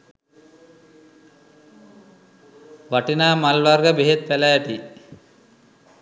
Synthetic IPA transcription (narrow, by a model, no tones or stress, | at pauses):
ʋaʈinaːmalʋarɡəbeɦet̪̚pælæːʈi